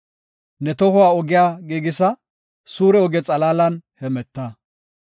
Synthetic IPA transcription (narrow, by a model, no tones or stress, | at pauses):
nɛt̪ɔhʊwaːɔɡɪjaːɡiːɡɪsɐ | suːɾɛɔɡɛt͡sʼɐlaːlɐnhɛmɛt̪ːɐ